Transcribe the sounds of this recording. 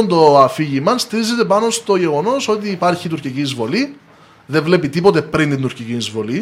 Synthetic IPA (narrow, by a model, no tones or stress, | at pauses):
nd̪o̞ɐfiʝimɐnst̪iɾize̞t̪e̞pɐno̞st̪o̞ʝe̞ɣo̞no̞so̞t̪̬iːpɐɾçit̪uɾciciizvo̞li | ðe̞vle̞pit̪ipo̞t̪e̞pɾint̪ind̪uɾciciizvo̞li